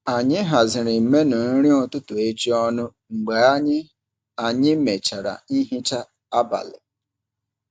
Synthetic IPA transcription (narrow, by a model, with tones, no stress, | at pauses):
a˨ɲɪ˦ɦa˨zɪ˨ɾɪ˨me˦nʊ˨n̩˦ɾi˦ɔ˨tʊ˦tʊ˨e˦t͡ʃi˦ɔ˦nʊ˦ŋ͡m̩˨ɡ͡be˨a˦ɲɪ˦ | a˨ɲɪ˦me˨t͡ʃa˨ɾa̰˨i˦ɦɪ˦t͡ʃa˦ | a˦ba̰˨lɪ̰˨